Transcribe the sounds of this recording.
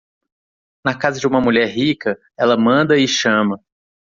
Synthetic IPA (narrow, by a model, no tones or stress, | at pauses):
nɐkazɐd͡ʒɪũmɐmuʎɛɾɦikɐ | ɛlɐmɐ̃nd̪ɐɪʃɐ̃mɐ